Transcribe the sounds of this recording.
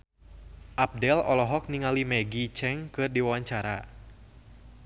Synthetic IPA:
ʔap̚dɛlɔlɔɦɔk̚niŋalimɛɡit͡ʃɛŋkɨrdiwawaɲt͡ʃaɾa̰

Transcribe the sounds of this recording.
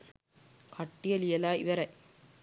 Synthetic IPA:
kʰɐʈːɪjɐlijɐlaːɪʋɐɾɐɪ

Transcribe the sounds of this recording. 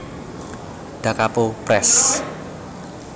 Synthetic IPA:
ɖ̥a̤kapopɾɛs

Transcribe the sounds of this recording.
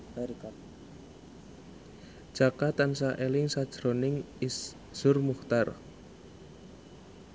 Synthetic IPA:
ka | d̥ʒ̥akat̪ansaʔelɪŋsad̥ʒ̥ɾonɪŋ | is | z̥ʊrmuht̪ar

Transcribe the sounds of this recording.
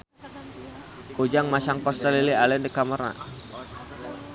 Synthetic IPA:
od͡ʒaŋmasaŋpast̪alilialɛndəkaməɾa̰

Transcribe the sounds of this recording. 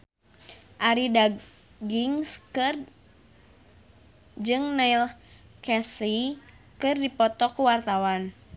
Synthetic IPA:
ʔaɾida | ɡiŋskɨr | d͡ʒɨŋnailkɛsi | kɨrdipɔt̪ɔkuwart̪awan

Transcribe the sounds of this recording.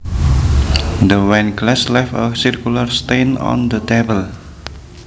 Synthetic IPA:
d̪əwanklɛslɛfəsirkjularst̪enɔ̰nd̪ət̪ebəl

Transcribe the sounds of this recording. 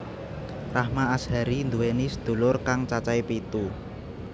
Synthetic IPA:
rahmaːshaɾind̪uwenisəd̪̥ṳlʊrkaŋt͡ʃat͡ʃaipit̪u

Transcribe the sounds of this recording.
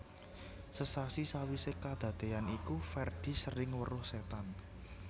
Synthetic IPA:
səsasisawisekad̪̥a̤d̪̥e̤anikufɛrd̪̥i̤səɾɪŋwə̰ɾʊhset̪an

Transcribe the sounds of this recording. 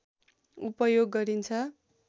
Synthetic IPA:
upʌjoɡːʌɾint͡sʰʌ

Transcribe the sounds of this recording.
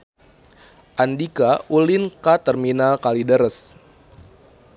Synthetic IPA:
ʔandikaʔulinkat̪ərminalkalidəɾəs

